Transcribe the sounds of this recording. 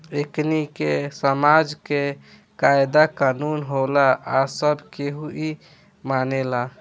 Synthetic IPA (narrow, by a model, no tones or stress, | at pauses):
eknikesəmad͡ʒke | kajd̪akanunɦolaasəbkeɦui | manela